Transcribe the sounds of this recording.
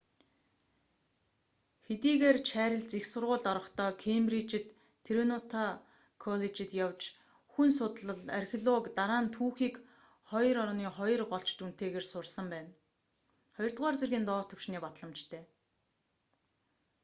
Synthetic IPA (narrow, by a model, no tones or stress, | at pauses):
xet̪iːɣeːrt͡ɕʰæːɾʲɪ̆ɮt͡sixsʊrʁʊːɮt̪ɔɾɞ̆χt̪ʰɔːkʰemrit͡ɕɪ̆t̪ʰː | eɾinʊt̪ʰa | kʰɔɮet͡ɕɪ̆t̪jawt͡ɕ | xunsʊt̪ɮə̆ɮa̰rxʲiɮɔkt̪aɾaːnt̪ʰuːxiːk | χɔjɞ̆ɾɔɾniːχɔjɞ̆rɢɔɬt͡ɕt̪un̥t̪eːɣeːrsʊrsə̆mpæːn | χɔjɞrt̪̚ʁaːrt͡serɣʲiːnt̪ɔːt̪ʰɵ̆w̥ʃniːpɔt̪ɮə̆mt͡ɕt̪ʰeː